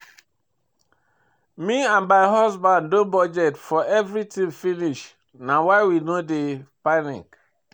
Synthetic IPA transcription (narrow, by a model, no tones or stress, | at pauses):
miãnbaɪɦɔsbãndõnbɔd͡ʒɛtfɔʔɛvɾitĩmfiniʃ | nawaɪwinodepanḭk